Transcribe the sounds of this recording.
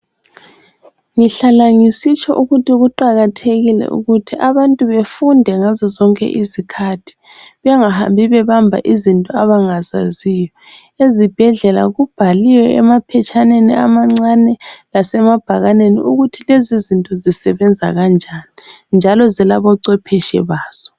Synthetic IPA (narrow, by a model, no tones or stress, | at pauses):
ŋiɬalaŋisit͡ʃʼɔ̰ʔuɣutʰiɣuǃaɣatʰeɣilɛ̰ʔṵɣutʰiʔaβantʼuβefundʱɛŋazɔzɔŋkʼɛ̰ʔizikʰatʰi̥ | βŋaha̰mbʱiβɛβambʱa̰ʔizintʼɔaβaŋaza̰zijɔ | ezib̥ʱɛɮɛla̰ɣub̥ʱaliwɛɛmapʰɛt͡ʃʰʼanenia̰maŋ͡ǀanɛlasɛmab̥ʱaɣanenḭʔuɣutʰilezizintʼɔzisɛβɛnd͡zʱa̰ɣand͡ʒʱanind͡ʒʱalɔzɛlaβɔǀɛpʰɛʃɛ̰βaːz̥ɔ